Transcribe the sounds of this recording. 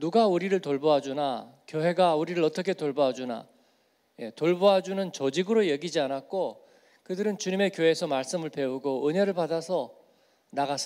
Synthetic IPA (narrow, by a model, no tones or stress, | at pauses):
nuɡauɾiɾɯɭtoɭboɦad͡ʑunakjoɦe̞ɡauɾiɾɯɭʌt͈ʌkʰe̞toɭboɦad͡ʑuna̰ | je̞toɭboɦad͡ʑunɯnt͡ɕʌd͡ʑiɡɯɾojʌɡid͡ʑianak̚k͈o | kɯdɯɾɯnt͡ɕuɲime̞kjoɦe̞sʰʌmaɭs͈ɯmɯɭpe̞uɡoɯɲeɾɯɭpadasʰʌ | naɡas͈